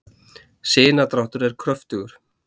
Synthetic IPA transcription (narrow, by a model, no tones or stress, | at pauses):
sɪːnat̪ɾawht̪ʏɾɛɾ̥kʰɾœft̪ʏɣʏɾ̥